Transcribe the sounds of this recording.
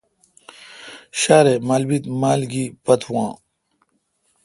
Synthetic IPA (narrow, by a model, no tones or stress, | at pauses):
ɕaːɾemaːlbit̪maːlɡipɐt̪ʰũwã̰ː